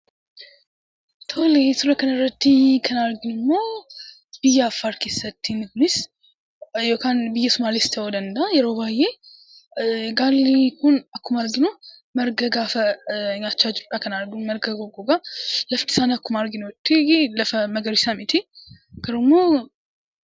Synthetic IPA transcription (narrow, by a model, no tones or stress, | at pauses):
t̪ʰolesuɾəkənɐɾət̪ːikʰənaɾɡɪnɨmːo | b̥ɨjɛafːaɾkisət̪ʰːinɨɡnis | jokʰanbɨjːɛsumalist̪ʰɐwɔd̪ənd̪ajɛɾobaje | ɡalːikʰunakʰːumaɾɡinoməɾɡəɡafəɲat͡ʃːad͡ʒt̪ʼːakʰənaɾɡuməɾɡəɡoɡoɡaləft̪ʰi̥sanakʰːumaɾɡinowt̪ʰːeɡləfəməɡəɾisamit̪ʰe | ɡəɾumːo